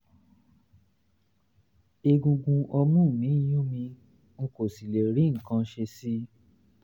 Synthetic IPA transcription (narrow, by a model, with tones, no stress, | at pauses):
e˧ɡũ˧ɡũ˧ʔɔ˧mũ˦˨mĩ˨˦˨jũ˦mĩ˧ | ŋ̩˦ko˨si˨le˨ɾĩ˨˦ŋ̩˨kã˧˦˧ʃe˧si˦